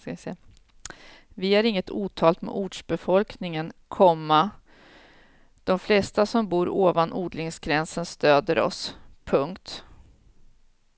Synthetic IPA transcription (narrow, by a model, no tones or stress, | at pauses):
skaɪsɛ | vɪhaɾɪŋːət̪ʰuːt̪ʰɑːlt̪mɛ̰ʔuːɖʂbɛfɔlknɪŋənkʰɔmːa | d̪̥ɔmflɛst̪asɔmbuːɾoːvanʔuːd̪lɪŋsɡɾɛnsənst̪øːd̪əɾɔ̰spʰɵŋkt̪